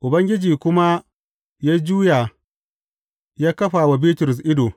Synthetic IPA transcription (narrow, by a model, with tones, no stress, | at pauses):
ʔʊ˨bɐ˦ŋɡʲɪ˦d͡ʒiː˨kʷʊ˦ma˦ | jaː˦d͡ʒuː˦jaː˨ | jaː˦kɐ˦ɸaː˨wa˨biː˦tʊ˨ɾʊ˨s̬ʔɪ˦doː˨